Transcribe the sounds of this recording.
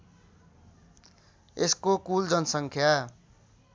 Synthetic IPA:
eskokuld͡zʌnsʌŋkʰja

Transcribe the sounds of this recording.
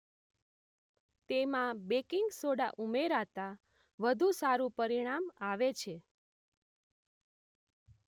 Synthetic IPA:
t̪emãbekiŋɡsoɽaʔumeɾat̪a | ʋəd̪ʱũsaɾũpəɾiɽ̃amaʋet͡ʃʰe

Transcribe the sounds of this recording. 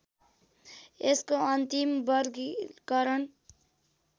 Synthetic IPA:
eskoʌnt̪imbʌɾɡkʌɾʌn

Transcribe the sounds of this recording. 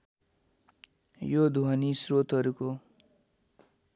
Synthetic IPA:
jod̪ʱuʌnisrot̪ɦʌɾuko

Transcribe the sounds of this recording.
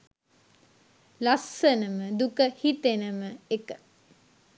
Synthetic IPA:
lasːənəməd̪ukəhit̪enəməekə̥

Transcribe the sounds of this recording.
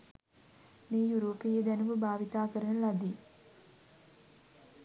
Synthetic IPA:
meːjuɾoːpejed̪ænuməbaːʋit̪aːkəɾənəlad̪i

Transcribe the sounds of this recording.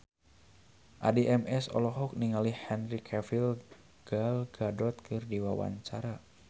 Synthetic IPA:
ʔadiʔɛmɛsɔ̰lɔɦɔk̚niŋalihɛnrikʰɛfil | ɡ̥alɡadɔt̪̚kʰɨrdiwawa̰ɲt͡ʃaɾa

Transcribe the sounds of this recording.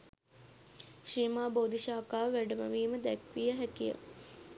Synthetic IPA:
ʃiːmaːboːd̪iʃaːkaːʋʋæɖəmə̰ʋiːməd̪ækʋijəɦækijə̰

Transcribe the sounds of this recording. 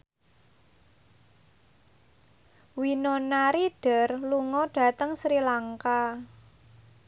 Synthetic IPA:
winonaɾiɖ̥ə̤rluŋɔɖ̥a̤t̪əŋsɾilaŋka

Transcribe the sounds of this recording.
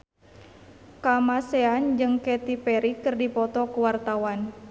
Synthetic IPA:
kamasɛand͡ʒɨŋkɛt̪ipɛɾikɨrdipɔt̪ɔkuwart̪awan

